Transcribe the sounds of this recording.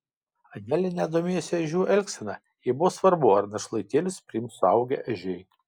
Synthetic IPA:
ɐnʲæːlʲɛnʲɛd̪oːmʲeːjɛsʲɪɛʒʲuːʔɛlʲksʲɛnɐ | jiːbʊʋoːsʋɐɾbʊɐɾnɐʃlˠɐɪt̪ʲeːlʲʊspʲɾʲɪimsʊɐʊɡʲɛ̰ʔɐʒʲɛɪ

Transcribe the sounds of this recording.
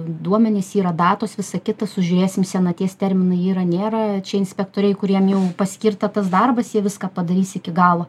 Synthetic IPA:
d̪uɔmʲɛnʲeːsiːɾɐd̪ɑːt̪oːsʋʲɪsɐkʲɪt̪ɐsʊʒʲʊɾʲeːsʲɪmsʲɛnɐt̪ʲeːst̪ʲɛɾʲmʲɪnɐɪiːɾɐnʲeːɾɐt͡ʃʲɛɪnʲsʲpʲɛkt̪oːɾʲɛɪkʊɾʲiɛmjɛʊpɐsʲkʲɪrt̪ɐt̪ɐsd̪ɐrbɐsjiɛʋʲɪskɑːpɐd̪ɐɾʲiːsɪkʲɪɡɑːlˠoː

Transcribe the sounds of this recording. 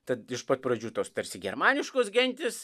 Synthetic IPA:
t̪ɐt̪ɪʃpɐt̪̚pɾɐd͡ʒʲuːt̪oːst̪ɐɾʲsʲɪɡʲɛɾmɑːnʲɪʃkoːsɡʲɛnʲt̪ʲɪs

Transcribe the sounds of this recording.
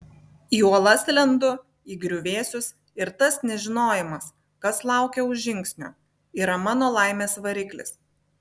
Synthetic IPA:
iːuɔlˠɐsʲlʲɛnd̪ʊ | iːɡɾʲʊʋʲeːsʲʊs | ɪɾt̪ɐsnʲɛʒʲɪnoːjɪmɐs | kɐslˠɑˑʊkʲɛʊʒʒʲɪŋʲˑksʲnʲʊ̰ː | iːɾɐmɑːnoːlˠɑˑɪmʲeːsʋɐɾʲɪklʲɪ̰s

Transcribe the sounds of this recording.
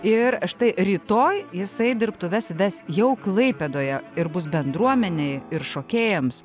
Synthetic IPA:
ɪɾɐʃt̪ɐɪɾʲiːt̪oːjjɪsɐɪdʲɪɾpt̪ʊʋʲɛsʋʲɛsjɛʊklˠɐɪpʲɛd̪oːjɛɪɾbʊs̬bʲɛnd̪ɾuɔmʲɛnʲeɪɪɾʃoːkʲeːjɛms

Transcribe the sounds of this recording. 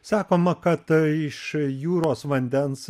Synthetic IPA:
sɑːkoːmɐkɐt̪ɪʃjuːɾoːsʋɐnʲd̪ʲɛns

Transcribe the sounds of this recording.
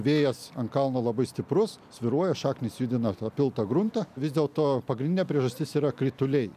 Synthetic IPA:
ʋʲeːjɛsɐŋkɐlˠnolˠɐbɐɪsʲt̪ʲɪpɾʊssʲʋʲɪɾuɔjɛʃɑːknʲɪsjuːd̪ʲɪnɐt̪ɑpʲɪlˠt̪ɐɡɾʊnt̪ɐʋʲɪzd̪ʲeɛːlˠt̪oːpɐɡɾʲɪndʲɪnʲɛːpʲɾʲiɛʒɐsʲt̪ʲɪsiːɾɐkɾʲɪt̪ʊlʲɛɪ

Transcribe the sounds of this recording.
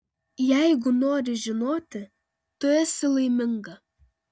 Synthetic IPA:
jɛɪɡʊnoːɾʲɪʒʲɪnoːt̪ʲɪ | t̪ʊɛsʲɪlˠɐɪmʲɪŋɡɐ

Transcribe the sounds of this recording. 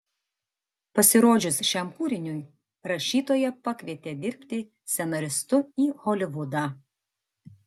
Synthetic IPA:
pɐsʲɪɾoːd͡ʒʲʊsʃʲɛmpuːɾʲɪnʲʊj | ɾɐʃʲiːt̪oːjɛpɐkʲʋʲiɛt̪ʲeːd̪ʲɪɾʲpʲt̪ʲɪ | sʲɛnɐɾʲɪst̪ʊiːhɔlʲɪʋʊd̪ɑ

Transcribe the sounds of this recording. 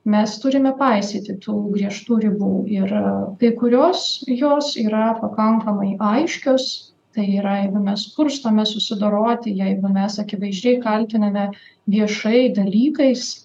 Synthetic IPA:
mʲɛst̪ʊɾʲɪmʲɛpɐɪsʲit̪ʲɪt̪ʰuːɡɾʲiɛʃt̪uːɾʲɪbuːɪrkɐɪkʊɾʲoːsjoːsiːɾɐpɐkɐŋkɐmɐɪʔɐɪʃʲkʲoːs | t̪ɐɪiːɾɐjɛɪɡʊmʲɛspʊɾst̪omʲɛsʊsʲɪd̪oːɾoːt̪ʲɪjɛɪɡʊmʲɛsɐkʲɪʋɐɪʒʲd͡ʒʲɛɪkɐlʲt̪ʲɪnɐmʲɛʋʲiɛʃɐɪd̪ɐlʲiːkɐɪs

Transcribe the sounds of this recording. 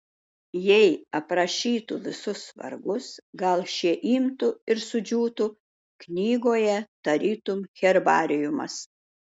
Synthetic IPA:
jɛɪɐpɾɐʃʲiːt̪ʊʋʲɪsʊsʋɐ̰ɾɡʊsɡɐlˠʃʲiɛʔiːmt̪ʊɪɾsʊd͡ʒʲuːt̪ʊ | knʲiːɡoːjɛt̪ɐɾʲiːt̪ʊmxʲɛɾbɑ̰ːɾʲɪjʊmɐ̰s

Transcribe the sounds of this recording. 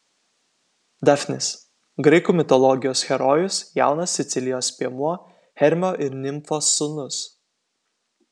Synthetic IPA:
d̪ɑfʲnʲɪs | ɡɾɐɪkumʲɪt̪ɔlˠɔɡʲɪjoːsxʲɛɾɔjʊsja̰ˑʊnɐsːʲɪt̪sʲɪlʲɪjoːspʲiɛmuɔ | hʲɛɾʲmʲoːʔɪɾnʲɪmfoːsʊnʊs

